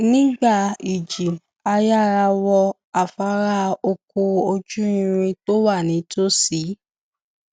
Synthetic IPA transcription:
nĩ˦ɡ͡ba˦˨i˨d͡ʒi˨ | a˧ja˦˨ɾa˧wɔ˧ | a˨fa˨˦ɾa˦o˧ko˧o˧d͡ʒu˦ĩ˧ɾ̃ĩ˧to˦wa˦˨nĩ˨˦to˦si˨˦

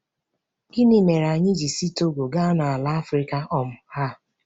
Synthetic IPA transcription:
i˦ni˨me˨ɾa˨ɲɪ˦d͡ʒi˨si˦to˦ɡʷo˨ɡa˦na˨a˨la˦a˦fɾi˦ka˦ʔɔ˦m̩˨ha˦˨

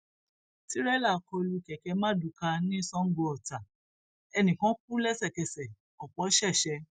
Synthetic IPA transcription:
ti˨˦ɾɛ˦la˦˨˦kɔ˧lu˧˨kɛ˨kɛ˨˧˦mã˦˨du˨ka˧nĩ˦i˦sɔ̃˦ŋ̩˦ɡ͡bo˧˦ɔ˨ta˨ | ɛ˧nĩ˨kã˦k̚u˦lɛ˦sɛ˦˨kɛ˧sɛ˨ | ɔ˨k͡pɔ˨˦ʃɛ˦˨ʃɛ˧

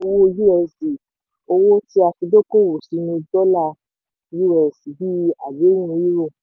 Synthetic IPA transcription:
o˧wo˦˧ju˦ɛ˧˨si˨ | o˧wo˦ti˦a˧fi˧do˦ko˦˨wo˨si˨˦nĩ˧dɔ˦la˦˧ | ju˦wɛ˨si˨bi˦a˨be˨˦nũ˧˦ji˦ɾo˦˨

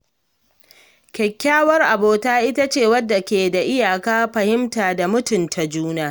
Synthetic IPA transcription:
kʲɛ˨kʲːaː˦wɐ˦rʔa˨boː˨taː˦ʔɪ˦ta˦t͡ʃeː˦˨wɐ˦dːa˨kʲeː˨da˨ʔɪ˦jaː˨kaː˦ɸɐ˨hɪ˦mtaː˨da˨mʊ˦tʊ˨ntʰa˨d͡ʒuː˦naː˦

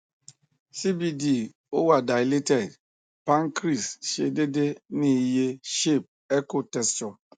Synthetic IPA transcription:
si˦bi˨di˦˨ | o˦wa˨da˨jle˦tɛ˨d | pa˦ŋ˦kɾi˨sʃe˨de˦de˦ni˨je˦ʃe˦˨p̚ | e˦ko˦tɛ˦st͡ʃɔ˨

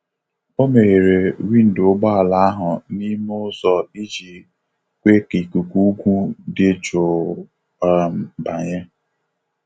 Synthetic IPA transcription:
o˦me˨ɣe˨ɾe˨ɾi˦n̩˨dʊ˦ɡ͡ba˦a˨la˨a˦ɦʊ˨ni˦mʊ˦zɔ˨i˦d͡ʒi˨ | kʷe˦ki˨ku˨ku˦ɡʷu˦dɪ˦d͡ʒo˨˦˨ | m̩˨ba˨ɲe˦

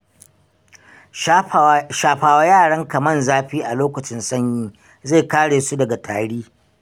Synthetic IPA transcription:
ʃaː˨ɸaː˨wa˦jaː˦˨ɽɐ˦ŋkɐ˨mɐ˦˨nzaː˦ɸiː˦ʔa˨loː˦kɐ˨t͡ʃɪ˦nsɐ˦˨ɲjiː˦ | za˦˨kaː˦ɽeː˨su˦dɐ˨ɡa˨tʰaː˨ɽiː˦

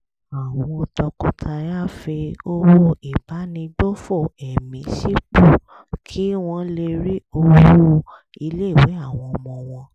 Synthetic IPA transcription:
a˨w̃ɔ̃˧o˧tɔ˧kɔ̃˨˧tʰa˧ja˦fe˧o˦wo˦i˨ba˨˦nĩ˧ɡ͡bo˦fo˦˨ɛ˨mĩ˨˧si˦k͡pu˦˨ | kʰi˨˦w̃ɔ̃˧le˧ɾi˦o˧w | i˧le˦˨we˨˦a˦˨w̃ɔ̃˧ɔ˧mɔ̃˧w̃ɔ̃˧

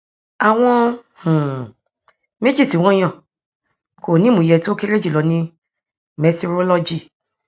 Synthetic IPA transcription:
a˨w̃ɔ̃˦˧ | hũ˨ | mẽ˦d͡ʒi˦˨si˨w̃ɔ̃˧˦j̃ɔ̃˨ | kʰo˨nĩ˦mũ˨jɛ˧˨ti˦o˦ke˦ɾe˦d͡ʒi˦˨lɔ˨˧˦nĩ˧ | mɛ˧to˧ɾo˦lɔ˦d͡ʒi˦˨

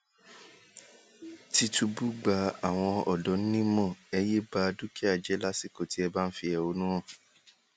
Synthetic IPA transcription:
ti˧tu˧bu˦ɡ͡ba˨˦a˦˨w̃ɔ̃˧ɔ˨dɔ˨˦n̩˦nĩ˦mɔ̃˦˨ɛ˧je˦ba˧du˦ki˦a˦˨d͡ʒɛ˨˦la˦si˦˨ko˨ti˦ɛ˧ba˦n̩˦fi˧ɛ˨o˧˦nũ˦ɔ̃˦˨

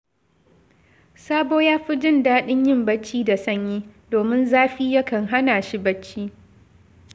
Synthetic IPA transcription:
saː˦boː˦jaː˦ɸi˦d͡ʒɪ˦ndaː˦ɗɪ˦ɲjɪ˦˨mbɐ˦t͡ʃːiː˦da˨sɐ˦ɲjiː˦doː˨mɪ˦nzaː˦ɸiː˦jɐ˦kɐ˨ŋɦa˦naː˨ʃi˦bɐ˦t͡ʃːiː˦

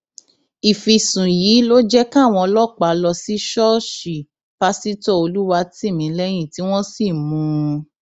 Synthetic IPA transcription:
i˨fi˨sũ˨jiː˨˦lo˦d͡ʒɛ˦kã˦˨w̃ɔ̃˧lɔ˦˨k͡pa˨lɔ˧si˦ʃɔ˦ʃi˨ | pa˦si˦tɔ˦˨o˧lu˦wa˧ti˦˨mĩ˨˦lɛ˦j̃ĩ˦˨ti˨˦w̃ɔ̃˦si˦˨mũ˨˦

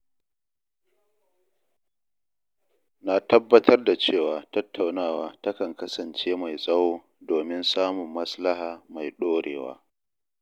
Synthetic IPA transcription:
na˦tɐ˦bːɐ˦tʰɐ˦rda˨t͡ʃeː˦˨waː˨tɐ˦tʰːa˨wnaː˦˨waː˦tɐ˦kɐ˨ŋkɐ˦sɐ˨nt͡ʃeː˦ma˨jsʼɐ˦woː˦ | doː˨mɪ˦nsaː˦mʊ˨mːɐ˦sla˦haː˨ma˨jɗoː˦ɽḛː˨wa̰ː˦

